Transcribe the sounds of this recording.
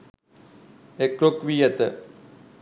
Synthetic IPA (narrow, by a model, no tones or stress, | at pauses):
ekɾokʋijɐt̪ə̰